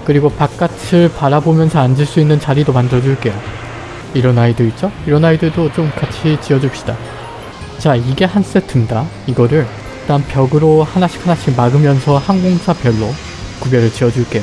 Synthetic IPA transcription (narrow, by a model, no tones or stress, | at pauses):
kɯɾiɡopak͈atʰɯɭpaɾabomjʌnsʰʌand͡ʑiɭs͈uinːɯnt͡ɕaɾidomandɯɾʌd͡ʑuɭk͈e̞jo | iɾʌnaidoit̚t͡ɕ͈oiɾʌnaidɯɭdot͡ɕomkat͡ɕʰit͡ɕiʌd͡ʑup̚ɕ͈i̥d̥a | t͡ɕaiɡe̞hans͈etʰɯnda | iɡʌɾɯɭ | t͈ampjʌɡɯɾohanaɕʰi̥khanaɕʰiɡmaɡɯmjʌnsʰʌhanɡoŋsʰapjʌɭːo | kubjʌɾɯɭt͡ɕiʌd͡ʑuɭk͈e̞jo